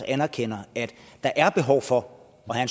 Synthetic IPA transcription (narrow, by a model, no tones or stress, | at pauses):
ænæɐkʰen̰ɐæd̥d̥ɑ̈ʔæɐb̥e̝ɦɒʊ̰fɒ̽ | ɒ̽hæns